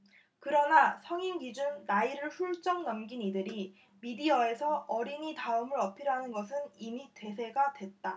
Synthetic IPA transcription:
kɯɾʌnasʰʌŋimɡid͡ʑunːaiɾɯɭɸuɭt͡ɕ͈ʌŋnʌmɡinidɯɾi | midiʌe̞sʰʌʌɾiɲitaɯmɯɾʌpʰiɾanɯnɡʌs̬ʰɯnimite̞sʰe̞ɡadwe̞t̚t͈a

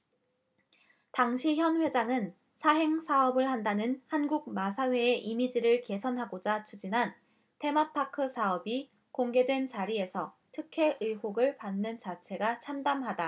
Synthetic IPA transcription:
taŋɕʰiçjʌnɸwe̞d͡ʑaŋɯn | sʰaɦe̞ŋsʰaʌbɯɭhandanɯnhanɡuɡ̚masʰawe̞eʔimid͡ʑiɾɯɭke̞sʰʌnɦaɡod͡ʑat͡ɕʰud͡ʑinɦan | te̞mapʰakʰɯsʰaʌbi | koŋɡe̞dwe̞nt͡ɕaɾie̞sʰʌ | tʰɯkʰe̞ʔɯjɦoɡɯɭpanːɯnt͡ɕat͡ɕʰe̞ɡat͡ɕʰamdamɦada

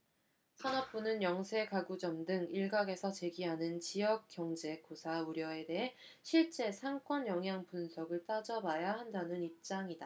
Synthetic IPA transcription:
sʰʌnʌp̚p͈unɯnjʌŋsʰe̞kaɡud͡ʑʌmdɯŋiɭɡaɡe̞sʰʌt͡ɕe̞ɡiɦanɯnt͡ɕijʌk̚k͈jʌŋd͡ʑe̞kosʰauɾjʌe̞de̞ɦeɕʰiɭt͡ɕ͈e̞sʰaŋk͈wʌnjʌŋɦjaŋpunsʰʌɡɯɭt͈ad͡ʑʌbajaɦandanɯnip̚t͡ɕ͈aŋida

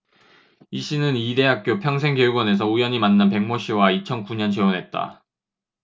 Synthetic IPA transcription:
iɕ͈ʰinɯnide̞ɦak̚k͈jopʰjʌŋs̬ʰe̞ŋkjʌuɡwʌne̞s̬ʰʌujʌɲimanːanpe̞ŋmoɕ͈ʰiwait͡ɕʰʌnkuɲʌnt͡ɕe̞onɦe̞t̚t͈a̰

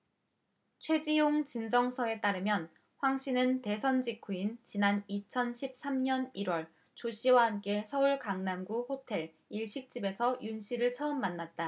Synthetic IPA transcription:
t͡ɕʰwe̞d͡ʑijoŋt͡ɕind͡ʑʌŋsʰʌe̞t͈aɾɯmjʌn | ɸwaŋɕ͈inɯnte̞sʰʌnd͡ʑikʰuint͡ɕinanit͡ɕʰʌnɕʰip̚s͈amɲʌniɾwʌɭ | t͡ɕoɕ͈ʰiwaɦamk͈e̞sʰʌuɭkaŋnanɡuhotʰe̞ɭ | iɭɕ͈ik̚t͡ɕ͈ibe̞sʰʌjunɕ͈ʰiɾɯɭt͡ɕʰʌɯmːanːat̚t͈a

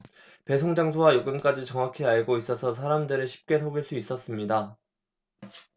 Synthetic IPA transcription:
pe̞sʰoŋd͡ʑaŋsʰowajoɡɯmk͈ad͡ʑit͡ɕʌŋwakʰeaɭɡois͈ʌsʰʌs̬ʰaɾamdɯɾɯɭɕʰi̥p̚k͈e̞sʰoɡiɭs͈uis͈ʌs͈ɯmɲida

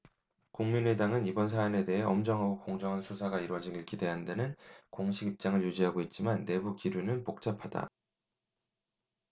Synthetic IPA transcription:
kuŋminedaŋɯnibʌnsʰaːne̞de̞ɦe̞ʌmd͡ʑʌŋɦaɡokoŋd͡ʑʌŋɦansʰusʰaɡaiɾwʌd͡ʑiŋiɭk͈ʰide̞ɦandanɯnkoŋɕʰiɡip̚t͡ɕ͈aŋɯɭjud͡ʑiɦaɡoit̚t͡ɕ͈imanːe̞bukiɾunɯnpok̚t͡ɕ͈apʰada̰

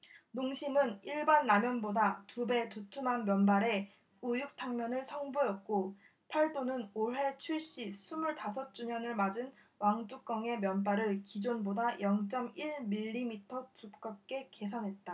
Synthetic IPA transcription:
noŋɕʰimɯniɭbanːamjʌnbodatube̞tutʰumanmjʌnbaɾe̞ | ujuk̚tʰaŋmjʌnɯɭsʰʌŋbuʌt̚k͈o | pʰaɭt͈onɯnoɦe̞t͡ɕʰuɭɕ͈isʰumuɭtasʰʌt̚t͡ɕ͈uɲʌnɯɭmad͡ʑɯn | waŋd͡ʑ͈uk͈ʌŋe̞mjʌnbaɾɯɭkid͡ʑonbodajʌŋt͡ɕ͈ʌmiɭmiʎːimitʰʌtup̚k͈ʌp̚k͈e̞ke̞sʰʌnɦe̞t̚t͈a

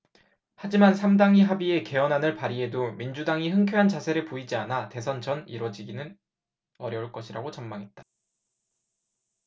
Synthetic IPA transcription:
had͡ʑimansʰamdaŋiɦabie̞ke̞ʌnɦanɯɭpaɾie̞domind͡ʑudaŋiɦɯŋkʰoɦant͡ɕasʰe̞ɾɯɭpoid͡ʑianate̞sʰʌnt͡ɕʰʌnḭɾwʌd͡ʑiɡinɯn | ʌɾjʌuɭk͈ʌɕʰiɾaɡot͡ɕʌmmaŋɦe̞t̚t͈ḁ

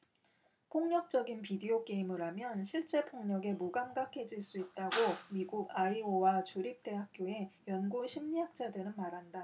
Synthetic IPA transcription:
pʰoŋɲʌk̚t͡ɕ͈ʌɡinpidiok͈e̞imɯɾamjʌnɕʰiɭt͡ɕ͈e̞pʰoŋɲʌɡe̞muɡamɡakʰe̞d͡ʑiɭs͈uit̚t͈aɡomiɡuɡaiowat͡ɕuɾip̚t͈e̞ɦak̚k͈joe̞jʌnɡuɕʰimɲiɦak̚t͡ɕ͈adɯɾɯnmaɾɦanda

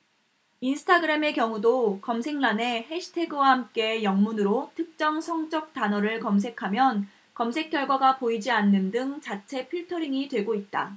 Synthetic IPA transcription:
insʰɯ̥tʰaɡɯɾe̞me̞kjʌŋudokʌmsʰe̞ŋnane̞heɕʰi̥tʰe̞ɡɯwahamk͈e̞jʌŋmunɯɾotʰɯk̚t͡ɕ͈ʌŋsʰʌŋt͡ɕ͈ʌk̚t͈anʌɾɯɭkʌms̬ʰe̞kʰamjʌn | kʌmsʰe̞k͈jʌɭɡwaɡapoid͡ʑianːɯndɯŋt͡ɕat͡ɕʰe̞pʰiɭtʰʌɾiŋitwe̞ɡoit̚t͈a

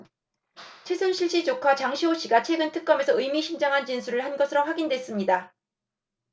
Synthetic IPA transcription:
t͡ɕʰwe̞sʰunɕʰiɭɕ͈it͡ɕokʰwat͡ɕaŋɕʰiɦoɕ͈iɡat͡ɕʰwe̞ɡɯntʰɯk͈̚ʌme̞sʰʌɯjmiɕʰind͡ʑaŋɦant͡ɕinsʰuɾɯɭhanɡʌsʰɯɾoɸwaɡindwe̞s͈ɯmɲida

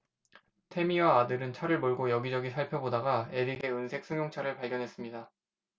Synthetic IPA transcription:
tʰe̞miwaːdɯɾɯnt͡ɕʰaɾɯɭmoɭɡojʌɡid͡ʑʌɡisʰaɭpʰjʌbodaɡae̞ɾiɡe̞ɯnsʰe̞k̚s͈ʰɯŋjoŋt͡ɕʰaɾɯɭpaɭɡjʌnɦe̞s͈ɯmɲida

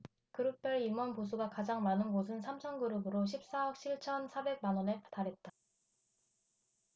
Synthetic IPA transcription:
kɯɾɯp͈jʌɭimwʌnpos̬ʰuɡakad͡ʑaŋmanɯnɡos̬ʰɯnsʰamt͡ɕʰʌnɡɯɾɯbɯɾoɕʰip̚s͈aʌk̚ɕ͈ʰiɭt͡ɕʰʌnsʰabe̞ɡ̚manwʌne̞taɾe̞t̚t͈a

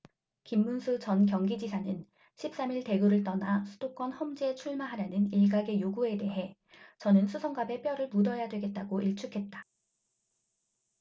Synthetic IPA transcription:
kimːunsʰut͡ɕʌnkjʌŋɡid͡ʑisʰanɯn | ɕʰip̚s͈amiɭte̞ɡuɾɯɭt͈ʌnasʰu̥d̥ok͈wʌnhʌmd͡ʑet͡ɕʰuɭmaɦaɾjanɯniɭɡaɡe̞joɡue̞de̞ɦe̞ | t͡ɕʌnɯnsʰusʰʌŋɡabe̞p͈jʌɾɯɭmudʌjadwe̞ɡe̞t̚t͈aɡoʔiɭt͡ɕʰukʰe̞t̚t͈ḁ

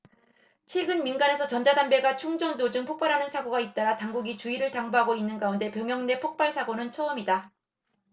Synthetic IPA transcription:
t͡ɕʰwe̞ɡɯnminɡane̞sʰʌt͡ɕʌnd͡ʑadanbe̞ɡat͡ɕʰuŋd͡ʑʌndod͡ʑɯŋpʰok̚p͈aɾɦanɯnsʰaɡoɡait̚t͈aɾataŋɡuɡit͡ɕuiɾɯɭtaŋboɦaɡoinːɯnɡaunde̞pjʌŋjʌŋne̞pʰok̚p͈aɭsʰaɡonɯnt͡ɕʰʌʌmida

